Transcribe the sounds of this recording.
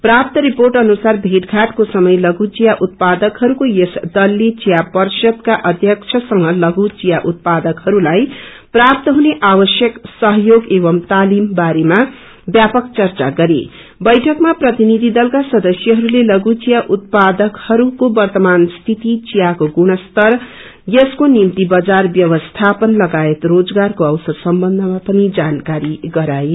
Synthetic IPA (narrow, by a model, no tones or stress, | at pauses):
prap̚t̪ʌɾiporʈʌnusarbʱeʈɡʱaʈkosʌmʌjlʌɡut͡sijaʔut̪̚pad̪ʌkɦʌɾukojesd̪ʌlːet͡sijapʌrsʌd̪kaʔʌd̪ʱjʌkt͡ʃʰʌsʌŋɡʌlʌɡut͡sijaʔut̪̚pad̪ʌkhʌɾulaj | prap̚t̪ʌɦuneʔawʌsjʌksʌɦʌjoɡebʌmt̪alimbaɾema | bjapʌkt͡sʌrt͡saɡʌɾḛ | bʌjʈʰʌkmaprʌt̪inid̪ʱid̪ʌlkasʌd̪ʌsjʌɦʌɾulelʌɡut͡sijaʔut̪̚pad̪ʌkhʌɾukobʌrt̪ʌmanst̪ʰit̪it͡sijakoɡuɽ̃ʌst̪ʌr | jʌskonimt̪ibʌd͡zarbjʌwʌst̪ʰapʌnlʌɡaet̪rod͡zɡarkoʌwsʌrsʌmbʌnd̪ʱʌmapʌnid͡zankaɾiɡʌɾae